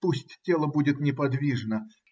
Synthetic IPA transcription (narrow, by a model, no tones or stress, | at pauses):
pusʲtʲtʲelˠəbudʲɪt̪nʲɪpɐd̪vʲiʐnə